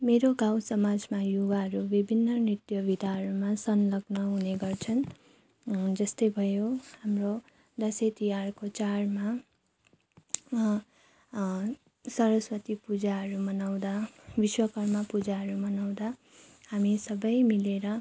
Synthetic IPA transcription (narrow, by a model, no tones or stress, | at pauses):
meɾoɡawsʌmad͡zmajoɡaɦʌɾubibʱinːʌnit̪jʌbid̪ʱaɦʌɾumasʌnlʌɡnʌɦuneɡʌrt͡sʰʌn | d͡zʌst̪ʌjbʱʌjohamro | d̪ʌset̪ijarkot͡sarma | sʌɾʌswʌt̪ipud͡zaɦʌɾumʌnaw̃d̪abiswʌkʌrmapud͡zaɦʌɾumʌnaw̃d̪a | hamisʌbʌjmileɾʌ